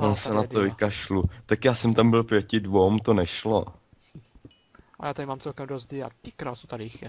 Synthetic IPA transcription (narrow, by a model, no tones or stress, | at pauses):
ʔonsɛnat̪ovɪkaʃlut̪akjaːsɛmt̪ambɪlpjɛcɪdvowmt̪onɛʃlo | ʔajaːt̪aɪmaːmt͡sɛlkɛmdozdɪa̰ɪkɾaːt̪sot̪adɪɪx